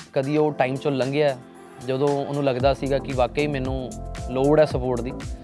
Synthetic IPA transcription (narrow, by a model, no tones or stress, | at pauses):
kəd̪iːoːʈaːimt͡ʃələŋɡɪjaːɛː | d͡ʒəd̪õːnũːləɡd̪aːsiːɡaːkɪʋaːkəiːmɛ̃ːnũːloːɽɛːsəpoːɾʈd̪iː